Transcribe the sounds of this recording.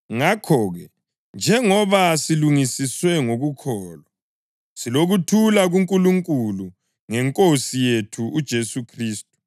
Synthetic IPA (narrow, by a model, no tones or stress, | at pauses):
ŋakʰɔːɣɛ | nd͡ʒʱɛŋɔβasiluŋisiswɛŋoɣukʰɔːla | siloɣutʰulaɣuŋkʼuluŋkʼulu | ŋɛŋkʼosijetʰuud̥ʒ̥ʱesukʰriːstʼu̥